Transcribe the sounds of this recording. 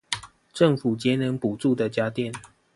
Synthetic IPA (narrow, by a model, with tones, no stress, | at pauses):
ʈ͡ʂə˥˨ŋfu˨˩t͡ɕjɛ˨˦nə˧˦ŋpu˨˩ʈ͡ʂu˥˨d̪ə˨t͡ɕja˦t̪jɛ˥˨n